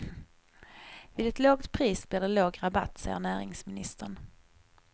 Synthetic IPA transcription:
vɪːd̪ɛt̪loːɡt̪pʰɾiːsblɛːd̪ɛloːɡɾaba̰t̪ːsɑ̰jə̰ɳæːɾɪ̰ŋsmɪnɪst̪əɳ

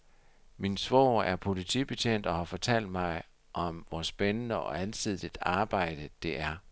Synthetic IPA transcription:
minsʋɒʊæɐpʰo̝lit͡sʰḭb̥e̝t͡sʰen̰d̥ɒ̽hɑ̈fɒ̽t͡sʰæl̰d̥mɑ̈ɪ | ʔɒ̽mʋɒsb̥enənəɒ̽ænsið̰ˠid̥ɑ̈ːb̥ɑ̈ɪ̰d̥əd̥e̝ʔæɐ

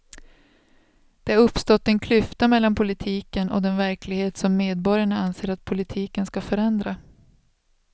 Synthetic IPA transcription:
d̪̥ɛaɾɵpːst̪ɔt̪ːɛnkʰlʏft̪amɛlːanpʰʊlɪt̪ʰiːkənɔ̰d̪ɛnvæɾkʰlɪɡheːt̪sɔmːeːd̪̚bɔɾjaɳaanseːɾat̪̚pʰʊlɪt̪ʰiːkənskafœɾɛnd̪ɾa

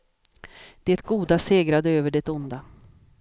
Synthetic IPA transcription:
d̪̥ɛt̪ɡuːd̪aseːɡɾad̪əøːvəɖɛt̪ʊnd̪a

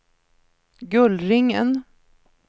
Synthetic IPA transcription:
ɡɵlɾɪŋːə̰n

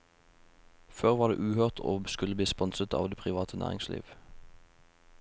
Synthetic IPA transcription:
føːʁʋɑːdḛːʔʉːhøːʁt̪ʰo̰ːskʉləbliːspɔnsət̪ɑ̰ːʋd̪eːpʰʁɪʋɑːt̪ʰənʔæ̰ːʁɪŋslḭːʋ

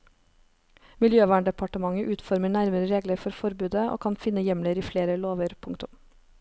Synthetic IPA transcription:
mɪljøːʋɑːɳɖɛpʰɑʈəmɑŋəʔʉːt̪fɔɾməɳæɾməɾəɾeːɡləɾfɔɾfɔɾbʉːd̪əʔo̰ːkʰɑnfɪnəjɛmləɾiːfleːɾəloːʋəɾpʰʊŋt̪ʊm

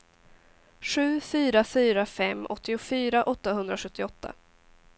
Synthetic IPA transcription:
ɧʉ̟ːfyːɾafyːɾafɛmːɔt̪ːɪʊfyːɾaʔɔt̪ːaɦɵnd̪ɾaɧɵt̪ʰːɪɔt̪ʰːa̰

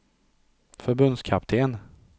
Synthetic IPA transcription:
fœɾbɵnd̪skʰap̚t̪ʰeːn

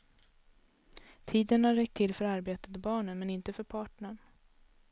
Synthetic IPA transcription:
t̪ʰiːd̪ənhaɾːɛk̚t̪ʰːɪlfœɾaɾbeːt̪əd̪bɑːɳənmɛnɪnt̪əfœɾpʰɑːʈɳəɳ

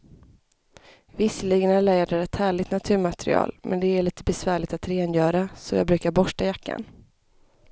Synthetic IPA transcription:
vɪsːəliːɡənæɭɛːd̪əɾɛt̪hæːɭɪt̪nat̪ʰʉ̟ːɾmat̪ɛɾɪ̰ɑ̰ːlmʔɛ̰nd̪ɛæɭiːt̪əbɛsvæːɭɪɡt̪at̪ɾeːnjœːɾasɔjɑ̰ːɡbɾʉ̟ːkaɾbɔʂʈajakːa̰n

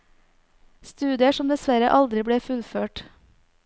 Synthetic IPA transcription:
st̪ʉːd̪ɪəʃɔmd̪ɛsʋæɾəʔɑld̪ɾɪbɽeːfʉlføːʈ

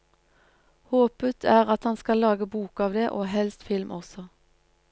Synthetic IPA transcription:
hoːpət̪ʰæːʁɑt̪hɑnskɑlɑːɡəbuːkɑːʋd̪eːʔoːɦɛlst̪fɪlmʔɔsɔ

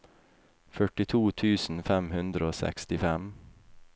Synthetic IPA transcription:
fœʈɪt̪ʰuːt̪ʰʉːsn̩fɛmhʉnd̪ɾəoːsɛ̰kst̪ɪfɛm

